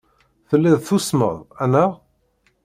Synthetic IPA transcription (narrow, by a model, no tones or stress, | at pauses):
θəlːiðθusmə̰ðˤænæ